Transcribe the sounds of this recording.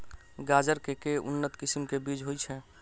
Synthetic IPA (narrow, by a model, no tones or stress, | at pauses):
ɡaːd͡ʒəɾkekeʊ̰nːət̪kɪsimkebid͡ʒɦojt͡ʃʰɛ